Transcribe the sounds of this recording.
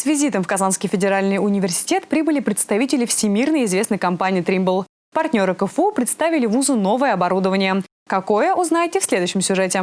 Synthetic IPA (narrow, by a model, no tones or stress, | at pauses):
svʲɪzʲit̪əmfkɐzanskʲɪjfʲɪdʲɪɾalʲnɨjʊnʲɪvʲɪrsʲɪ̥tʲe̞t̪pɾʲibɨlʲɪpɾʲɪt̪st̪ɐvʲitʲɪlʲɪfsʲɪmʲirnəjɪzvʲe̞snəjkɐmpanʲɪːt̪ɾʲimbəlˠ | pɐrt̪ʲnʲo̞ɾɨkəfupɾʲɪt̪st̪avʲɪlʲɪvuzʊno̞vəjəɐbɐɾud̪əvənʲɪjə | kɐko̞jəʔʊznajtʲɪfsʲlʲe̞d̪ʊjɕːɪmsʲʊʐɛtʲɪ